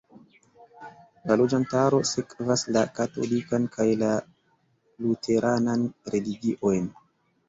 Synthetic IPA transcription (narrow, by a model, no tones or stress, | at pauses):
lalo̞d͡ʒantaɾo̞sekvaslakato̞̰likankʰajla | lutʰe̞ɾʔananɾe̞liɡiʔo̞jn